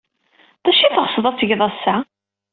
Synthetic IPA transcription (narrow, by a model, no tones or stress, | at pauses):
ðæʃiθəʁsðˤæt͡sːəʝðˤɑsːa